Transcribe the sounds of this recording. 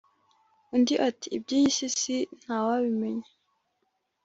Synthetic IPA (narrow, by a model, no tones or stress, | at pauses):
undiʔatiːb̚ɟijisisin̥haːwaβimeɲe